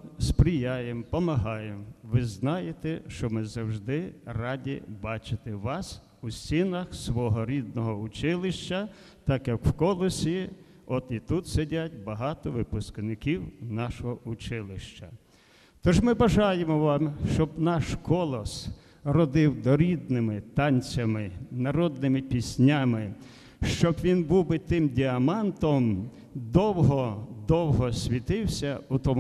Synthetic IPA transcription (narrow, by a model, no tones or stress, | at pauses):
spɾʲijajempɔmɐɦɑjemʋɪznɑjet̪ɛʃt͡ʃɔmɪzɐwʒd̪ɪrɑdʲḭbɑt͡ʃɪt̪ɪʋɑs | usʲinɐxsʋɔɦɔɾʲid̪nɔɦɔʊt͡ʃɪlˠɪʃt͡ʃːɐ | t̪ɑkjɐkw̥kɔlˠɔsʲi | ɔt̪it̪ut̪sedʲatʲbɐɦɑt̪ɔʋɪpʊsknɪkʲiwnɑʃɔɦɔʊt͡ʃɪlˠɪʃt͡ʃɐ | t̪ɔʒmɪbɐʒɑjemɔʋɑmʃt͡ʃɔbnɑʃkɔlˠɔs | rɔd̪ɪwd̪ɔɾʲid̪nɪmɪt̪ɑnʲt͡sʲɐmɪnɐɾɔd̪nɪmɪpʲisʲnʲamɪ | ʃt͡ʃɔbʋʲinbubɪt̪ɪmdʲiɐmɑnt̪ɔm | d̪ɔwɦɔd̪ɔwɦɔsʲʋʲit̪ɪwsʲɐut̪ɔm